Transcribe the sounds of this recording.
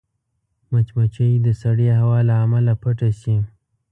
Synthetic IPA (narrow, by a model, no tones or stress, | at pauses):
mat͡ʃmat͡ʃəjd̪əsaɽeɦawɑlaamalapəʈasim